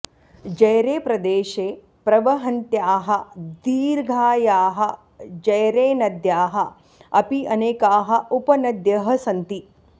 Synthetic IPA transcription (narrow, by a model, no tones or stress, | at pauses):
d͡ʒɐjɾeːpɾɐd̪eːʃeː | pɾɐʋɐɦɐnt̪jaːɦɐd̪iːɾɡʱaːjaːɦɐ | d͡ʒɐjɾeːnɐd̪jaːɦɐ̆ | ɐpiɐneːkaːɦɐ̆upɐnɐd̪jɐɦɐsɐnt̪i